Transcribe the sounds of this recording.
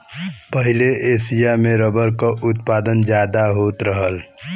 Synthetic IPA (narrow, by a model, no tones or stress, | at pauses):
pəɦileeːsijamẽɾəbəɾkaʔʊt̪paːd̪ənd͡ʒjaːd̪aɦoːt̪ɾəɦəl